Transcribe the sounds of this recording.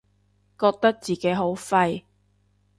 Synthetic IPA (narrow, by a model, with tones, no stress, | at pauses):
kɔː˧k̚t̪ɐ˥k̚t͡siː˨˩ke˨˥jɦo˨˥wfɐ˧j